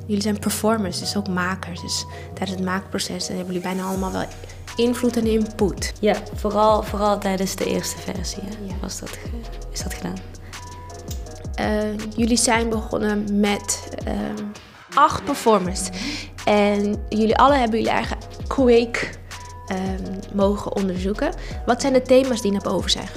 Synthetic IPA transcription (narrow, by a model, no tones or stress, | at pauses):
jɵlizɛjnpəɹfɔɹmənsdɵsowkmaːkəɹsdəs | tɛjdənsətmaːkəprosɛsnɦɛbəjlibɛjnaːɑləmaːlˠʋɛ̰lˠ | ɪnvlutɛnɪnputjavoːrɑlˠvoːrɑlˠtɛjdənzdəʔɪ̰ːɹstəvɛ̰ɹziɛʋɑ̰sdɑ̰tɪzdɑtχədaːn | ʔəjʏlizɛjnbəχɔ̰nəmɛt | ɑχt̚pəɹfɔɹməns | ʔɛnjʏliʔɑləɦɛbənjəliɛ̰rχələ | kʰwejk | əmowχə̰ʔɔ̰ndəɹzukəʋɑtsɛjndətejmaːsdinɔpo̰wvəɹsɛ̰jn